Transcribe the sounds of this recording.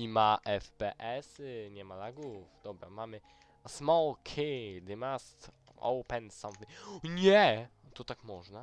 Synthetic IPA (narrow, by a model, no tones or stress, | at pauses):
imaʔɛfpɛʔɛsɲɛmalaɡufd̪̥ɔbɾa̰mamɘ | smɔwkʰid̪ɪmast̪ɔ̰wpɛnsamviɲɛt̪ɔt̪akmɔʐna